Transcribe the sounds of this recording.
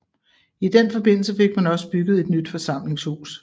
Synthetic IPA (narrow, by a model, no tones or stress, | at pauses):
id̥enfɒ̽b̥e̝n̰l̩səfe̝ɡ̥̚mænɒ̽səb̥yɡ̥ð̞̩ˠe̝d̥nyd̥fɒ̽sɑ̈m̰le̝ŋshṵːs